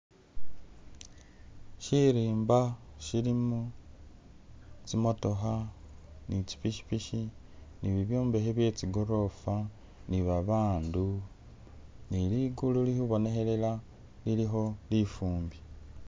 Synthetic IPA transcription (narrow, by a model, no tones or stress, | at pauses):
ʃiɾiːmbaʃilimu | t͡simo̞to̞xa | nit͡ʃi̥piʃi̥piʃi | niβiβjoːmbe̞ɦeβje̞t͡siɡo̞ɾo̞fa | niβaβaːndu | niliɡululihuβo̞ne̞xe̞le̞la | liliɦo̞lifuːmbi